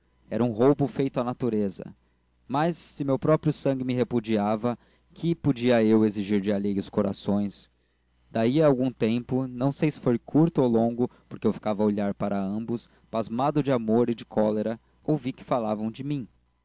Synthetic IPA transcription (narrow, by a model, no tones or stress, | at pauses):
ɛɾɐũɦowbʊfejt̪ʊanat̪uɾezɐ̰ | mɐsːɪmewpɾɔpɾjʊsɐ̃ɡɪmɪɦepud͡ʒiavɐ | kʰɪpod͡ʒiɐeweziʒiɾd͡ʒɪaleɡʊskoɾa̰sõj̃s | d̪aiɐːwɡũt̪ẽmpʊnɐ̃w̃sejsɪ̥fojkʰuɾt̪ʊowlõŋɡʊpoɾkeewfi̥kavɐoʎaɾpaɾɐɐ̃mbʊs | pazmad̪ʊd͡ʒɪamoɾɪd͡ʒɪkʰɔleɾɐ | owvikɪ̥falavɐ̃w̃d͡ʒɪmĩ